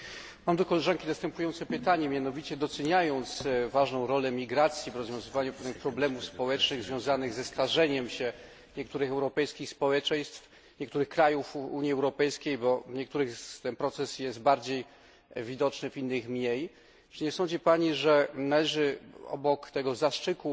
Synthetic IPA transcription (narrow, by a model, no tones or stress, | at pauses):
mamd̪ɔkɔlɛʐankʲinast̪ɛmpujɔnt̪sɛpɘt̪aɲɛmʲjanɔvʲit͡ɕɛd̪ɔt̪sɛɲajɔnt̪svaʐnɔ̃w̃ɾɔlɛmʲiɡɾat̪sʲjivɾɔzvʲjɔ̃w̃zɘvaɲupɔnɘxpɾɔblɛmufspɔwɛt͡ʂnɘɣzvʲjɔ̃w̃zanɘɣzɛst̪aʐɛɲɛmɕɛ | ɲɛk̚t̪uɾɘxɛwɾɔpɛjskʲixspɔwɛt͡ʂɛɲ̃st̪f | ɲɛkt̪uɾɘxkɾajufṵɲiɛwɾɔpɛjskʲejbɔɲɛk̚t̪uɾɘxt̪ɛnpɾɔt̪sɛsjɛst̪̚baɾd͡ʑej | vʲid̪ɔt͡ʂnɘvʲinːɘxmɲej | ʈ͡ʂiɲɛsɔ̃nɲd͡ʑipaɲiʐɛnalɛʐɘɔ̰bɔkt̪ɛɡɔzaʂt͡ʂɘku